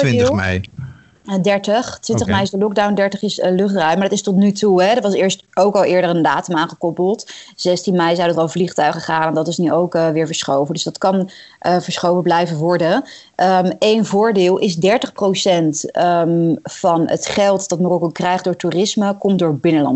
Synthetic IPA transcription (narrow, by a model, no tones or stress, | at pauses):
ɪɛ̰j | dɛɹtəχtʋɪ̃ntəχmɛjɪzdəlɔk̚dawndɛɹtəχɪslɵχtrœɥmaɹdɑtɪstɔtnytuɦɛdəʋɑsɪːɹstowkɑlˠɪːɹdərəndaːtəmaːnχəkɔpəlˠtz̥ɛstinmɛjzɛwdədəɑlˠvliχtœɥχəχaːnɛndɑtɪsnyʔowkəʋɪːɹvəɹsχowvəndɵsdɑtkɑn | ʔəvəɹsχowvəblɛjvəʋɔɹdə | ʔmejnvʊːɹdɪːlˠʔɪzdɛɹtəχprowsɛntmfɑnə̰tχɛlˠtdɑtmorɔkokrɛjχd̚ʊːɹtuːrɪsməkɔmtdʊːɹbɪnəlɑ̰n